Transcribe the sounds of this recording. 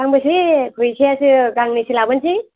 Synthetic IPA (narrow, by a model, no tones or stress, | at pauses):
aŋbɯsikʰɯjsʰijasɯɡaŋnisilabɯnsʰi